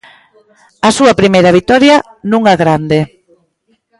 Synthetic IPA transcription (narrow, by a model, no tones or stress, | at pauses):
ɐsuɐpɾimejɾɐβ̞it̪ɔɾjɐ | nũŋaɣɾand̪e